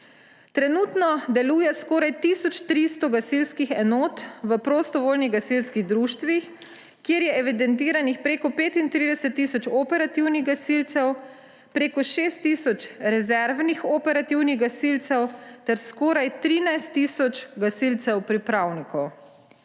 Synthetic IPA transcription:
t̪ɾɛnuːt̪nɔd̪ɛluːjɛskɔːɾajt̪isɔt͡ʃt̪ɾist̪ɔɡasilskixɛnoːt̪ʋəpɾost̪ɔʋoːlniɣɡasilskiɣd̪ɾuːʃt̪ʋix | kjeɾjɛʔɛʋid̪ɛnt̪iːɾanixpɾeːkɔpeːt̪int̪ɾiːd̪ɛsɛt̪ːiːsɔt͡ʃɔpɛɾat̪iwniɣɡasilt̪sɛw | pɾeːkɔʃeːst̪ːiːsɔt͡ʃɾɛzɛɾʋnixɔpɛɾat̪iwniɣɡasilt̪sɛwt̪ɛɾskɔːɾajt̪ɾinajst̪ːiːsɔt͡ʃɡasilt̪sɛwpɾipɾawnikɔw

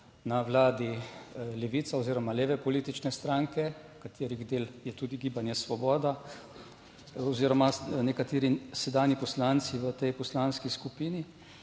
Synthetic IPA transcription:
naʋlaːd̪ilɛʋit̪saoziːɾɔmaleːʋɛpɔliːt̪it͡ʃnɛst̪ɾaːŋkɛ | kat̪eːɾiɣd̪eːljɛt̪ud̪iɡiːbanjɛsʋɔbɔːd̪a | ɔziːɾɔmanɛkat̪eːɾisɛd̪aːnipɔslaːnt̪siʋət̪ɛjpɔslanskiskupiːni

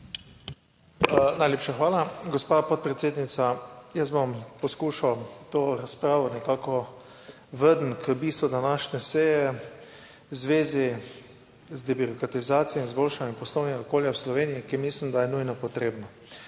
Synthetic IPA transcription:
najleːpʃaxʋaːlaɡɔspaːpɔt̪̚pɾɛt̪seːd̪nit̪sajəzbompɔskuːʃawt̪oːɾaspɾaːʋɔnɛkaːkɔ | ʋəd̪n̩kəbiːst̪ʋud̪anaʃnɛsɛjɛ | zʋeːzi | zd̪ɛbyɾɔkɾat̪izaːt̪sijɔinzbolʃanjɛmpɔslɔwnɛɡaɔkoːljawslɔʋeːniikimislimd̪ajɛnujnɔpɔt̪ɾeːbnɔ

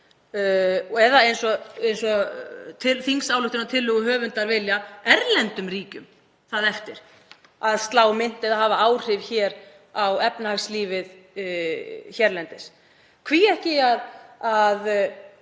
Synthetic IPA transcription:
ɔɛðaejnsɔejnsɔt̪ʰɪlθiŋsawlʏht̪ɪnat̪ʰɪlːʏɣʏɦœːvʏnt̪aɾvɪljaɛɾlɛnt̪ʏmriːcʏm | θaðɛft̪ɪɾ̥ | aðst̪laːwmɪn̥t̪ɛðaɦaːvaaːwr̥ɪvçɛːɾ | awɛpnahaɣsliːvɪð | çɛɾlɛnt̪ɪs | kʰviɛhcɪaðað

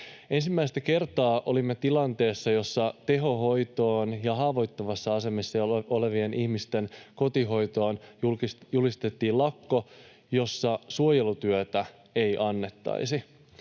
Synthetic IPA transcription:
e̞nsimːæist̪æke̞rt̪ɑːʔo̞limːet̪ilɑnt̪e̞ːsːɑjo̞sːɑt̪e̞ɦo̞ɦo̞jt̪o̞ːnjɑɦɑːʋo̞jt̪ːomɑsːɑɑse̞mesːɑo̞le̞ʋie̞nihmist̪e̞nko̞t̪iɦo̞jt̪o̞ːnjujulist̪et̪ːiːlɑkːo̞ | jo̞sːɑsuojelut̪yøt̪æ | e̞jʔɑnːe̞t̪ːɑ̰isi

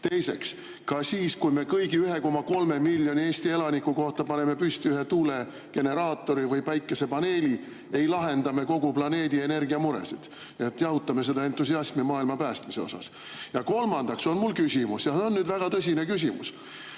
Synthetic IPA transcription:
t̪e̞jse̞̰ks | kɑsiːskujme̞kɤjɡiyɦe̞ko̞mɑko̞lme̞milʲːjo̞nʲieːsʲt̪ie̞lɑnikːˑuko̞ht̪ɑpɑne̞me̞pyst̪iyɦe̞t̪uːle | ke̞ne̞ɾɑːt̪ːˑo̞ɾivɯjpæjkːˑese̞pɑne̞ːli | e̞jlɑɦe̞nd̪̥ɑme̞ko̞ɡ̥uplɑne̞ːd̪ie̞ne̞rɡiɑmuɾḛsid̪̥ | et̪ːjɑwt̪ːˑɑme̞sed̪ɑe̞nt̪ːˑusiɑsmimɑːilmɑpæːst̪miseo̞̰sɑ̰s | jɑko̞lmɑnd̪̥ɑkso̞nmulkysʲimusjɑseo̞nːyːd̪væɡ̥ɑt̪ɤs̬ʲine̞kys̬ʲimṵs

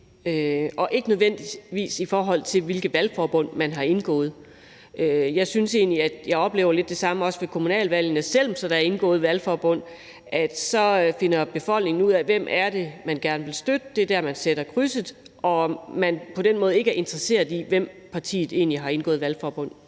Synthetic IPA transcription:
øʔɒ̽ʔe̝ɡ̥ənøðˠʋen̰d̥i̥ʋḭːsifɒːɦɒ̽l̰t͡sʰe̝ʋe̝lɡ̥əðˠʋælfɒːb̥ɔ̽n̰mænɦɑ̈e̝nɡ̥ɔ̰̽ːð̞̩ˠ | ʔøjɑ̈ɪsynse̝̰ːnliæd̥jɑ̈ɪɒ̽b̥le̝̰ʊɐle̝d̥ːe̝sɑ̈məɒ̽sʋe̝kʰo̝munɛ̰ːlʋæl̰ənəsel̰msɒ̽d̥ɑæɐe̝nɡ̥ɔ̰̽ːð̩ˠʋælfɒːb̥ɔ̽n̰ | ʔæd̥sɒ̽fe̝nɐb̥e̝fɒ̽l̰dne̝ŋn̩uð̞̰ˠæʋem̰ʔæɐd̥e̝mænɡ̥æɐnəʋe̝lsd̥ød̥əd̥e̝æɐd̥æɐmænseɾ̥ɐkʰʁysəð̩ˠʔɒ̽mænpʰɒ̽d̥enmɔ̽ːðˠe̝ɡ̥əæɐe̝nd̥ʁɐse̝̰ɐðˠiʋem̰pʰɑ̈t͡sʰḭːð̩ˠe̝ːnliɦɑ̈e̝nɡ̥ɔ̰ːð̩ˠʋælfɒːb̥ɔ̽n̰

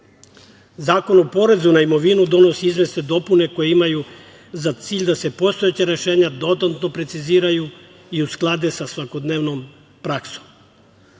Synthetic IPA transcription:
zaːko̞nopo̞ɾe̞zunaimo̞ʋinud̪o̞no̞siizʋest̪ed̪o̞pune̞ko̞jeimaju | zat̪siːʎʲd̪ase̞po̞st̪o̞jet͡ɕaɾe̞ʃeːɲad̪o̞t̪ant̪no̞pɾet̪siziːɾaju | iusklˠad̪esasʋako̞d̪neʋnom | pɾaksom

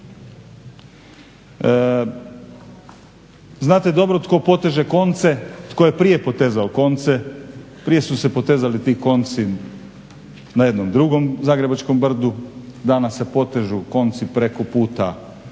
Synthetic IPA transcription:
znaːt̪ed̪o̞bɾot̪ko̞po̞t̪eʒeko̞nt̪se̞t̪ko̞jepɾije̞po̞t̪e̞zaoko̞nt̪se̞ | pɾije̞suse̞po̞t̪e̞zalit̪iːko̞nt̪si | najed̪nomd̪ɾuɡo̞mzaːɡɾe̞bat͡ʃko̞mbr̩d̪ud̪aːnasepo̞t̪eʒuko̞nt̪sipɾe̞kopuːt̪a

